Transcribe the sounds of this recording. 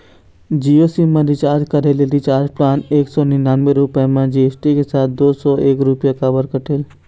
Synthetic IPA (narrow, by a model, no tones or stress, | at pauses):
d͡ʒiːosimãɾit͡ʃaːd͡ʒkɐɾelelit͡ʃaːɾplaːneːksɔːnɪnaːnweɾʊpemãd͡ʒiːesʈikesaːt̪̚ʰd̪oːsɔːeːkɾʊpjakabəɾkəʈʰeːl